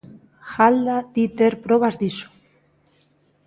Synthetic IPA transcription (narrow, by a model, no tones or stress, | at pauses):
xald̪at̪it̪eɾpɾoβazðisu̥